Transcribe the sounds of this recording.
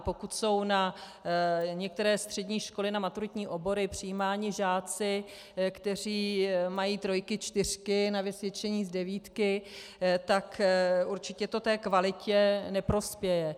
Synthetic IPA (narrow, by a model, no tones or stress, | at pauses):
po̞kut̪so̞wna | ɲɛk̚t̪ɛɾɛːst̪r̝̥ɛdɲiːʃko̞lɪnamat̪uɾɪt̪ɲiːʔo̞bo̞ɾɪpr̝̥ɪjiːmaːɲɪʒaːt͡sɪ | kt̪ɛr̝iːmajiːt̪ɾo̞jkɪt͡ʃt̪ɪr̝̥kɪnavɪsvjɛt͡ʃɛɲiːzdɛviːt̪kɪ | t̪akʔuɾt͡ʃɪcɛt̪o̞t̪ɛːkvalɪcɛnɛpɾo̞spjɛjɛ